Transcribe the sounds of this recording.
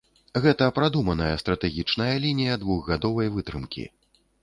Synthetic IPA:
ɣɛt̪ɐpɾad̪umɐnɐjɐst̪ɾɐt̪ɛɣʲit͡ʂnɐjɐlʲinʲijɐd̪vuɣːad̪ɔvɐjvɨt̪ɾɨmkʲḭ

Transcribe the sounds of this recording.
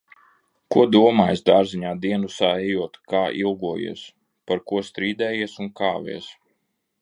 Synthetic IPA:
kuɔd̪uɔmaːjzd̪aːɾziɲaːd̪iɛnusaːɛjuɔt̪kaːʔilˠɡuɔjḭɛs | paɾkuɔst̪ɾiːd̪ɛːjiɛsunkaːvʲɛ̰ɛs

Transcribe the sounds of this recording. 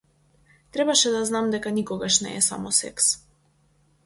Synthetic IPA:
t̪ɾɛbaʃɛd̪aznamd̪ɛkanikɔɡaʃnɛ̰ːsa̰mɔsɛ̰ks

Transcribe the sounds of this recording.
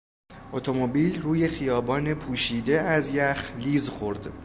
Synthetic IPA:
ʔot̪ʰo̞mobiːlruːje̞xijɒːbɒːnepʰuːʃiːd̪e̞æzjæxliːzxo̞ɾd̪

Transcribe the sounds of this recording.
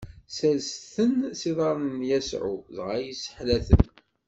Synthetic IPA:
sælsθənsiðˤɑɾˤnənjæsʕṵðʁajisə̥ħlæθə̰n

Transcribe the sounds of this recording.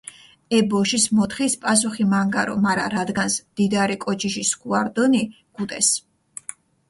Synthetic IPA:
ɛbɔʃismɔt̪ʰχispʼas̬uχimaŋɡaɾɔ̰maɾaɾad̪ɡansd̪̥id̪aɾikʼɔt͡ʃʰiʃiskuaɾd̪ɔni | ɡ̥ut̪ʼɛs

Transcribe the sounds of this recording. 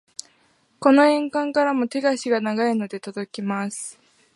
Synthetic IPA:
ko̞no̞ẽ̞ŋkãŋkaɾamo̞t̪e̞ɡaɕiɡanaɡaeno̞d̪e̞t̪od̪o̞kʲimasɨ̥

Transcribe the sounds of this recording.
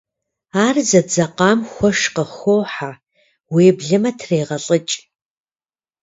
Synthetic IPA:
aːrzɐd͡zɐqɑːmxʷɔʃqəxowħa | weːbɮɨmɐtʰreːʁɐɬʼət͡ʃʼ

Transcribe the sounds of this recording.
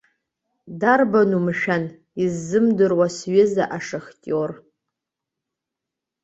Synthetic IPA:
darbanumʃᶣan | izːɨmdɨrwasɥɪzaʔaʂɨχtʼor

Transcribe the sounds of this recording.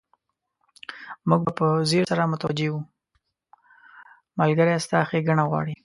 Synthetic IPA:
muɡ̚bapəzeɾsaɾamʊt̪awad͡ʒewu | malɡaɾeast̪ɑxeɡaɳaɣwɑ̰ɽi

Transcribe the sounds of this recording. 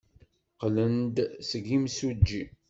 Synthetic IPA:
qlənd̪səɡimsud͡ʒːi

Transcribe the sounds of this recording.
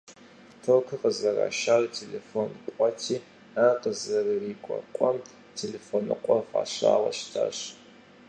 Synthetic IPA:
tʰokʰɨqəzɐra̰ːʃaːrtʰelefonqʷʼɔtʰiː | aqəzɐrɨriːkʷʼɔ̰qʷʼɔm | tʰelefonɨqʷʼɔfaːɕaːʁɐ̰ʃtʰa̰ɕ

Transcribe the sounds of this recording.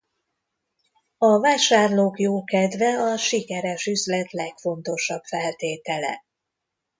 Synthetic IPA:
ɒvaːʃaːrloːkjoːkɛd̪vɛɒʃikɛɾɛʃyzlɛt̪lɛkfo̞nt̪o̞ʃɒbfɛlt̪eːt̪ɛlɛ̰

